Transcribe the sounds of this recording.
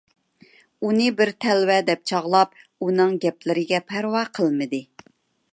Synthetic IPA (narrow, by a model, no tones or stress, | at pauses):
unɨbɪɾt̪ʰɛlwɛd̪ɛp̚t͡ʃʰɑʁlˠɑp̚unɨŋɡʲɛplɪɾɪɡʲɛpʰæɾwɑqʰəlˠmɨd̪ɨ